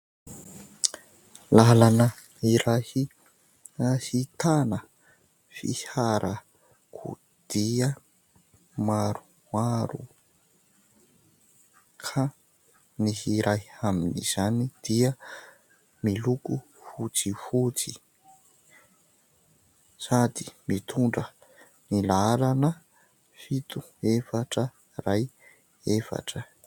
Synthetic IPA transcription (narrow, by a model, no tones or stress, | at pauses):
lalanə | iɾahi | hit̪anə | fḭhaɾʔə | kʰṵ | d̪̥iə | maɾu | maɾṵ | kʰa | nihiɾajaminḭz̥anid̪̥iə | miluku | fut͡sifut͡si | sad̪i̥mit̪ʰuɳɖ͡ʐə | nilaɾanə | fit̪u | efaʈ͡ʂə | raj | efa̰ʈ͡ʂə